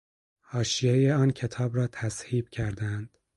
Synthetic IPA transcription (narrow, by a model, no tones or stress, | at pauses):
hɒːʃijejeɒːncʲʰe̞t̪ʰɒːbɾɒːt̪ʰæshiːb̥cʰæɾd̪ænd̪̥